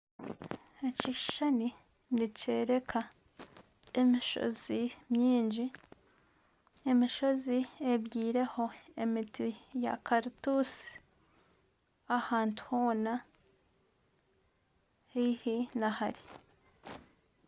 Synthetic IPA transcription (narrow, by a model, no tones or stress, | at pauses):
eciʃani | nice̞ːɾe̞kʰa | emiʃo̰zimjiːɲɟi | e̞miʃo̞zieβjiːɾe̞ho̞e̞mitija̰kaɾitusi̥ | ahaːntu̥hoːna | hihinahaɾi